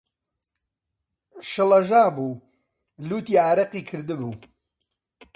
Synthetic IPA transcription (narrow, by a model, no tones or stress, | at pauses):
ʃɨlˠɐʒaːbuː | luːt̪iːaːɾɐqiːkʰɨɾd̪ɨbuː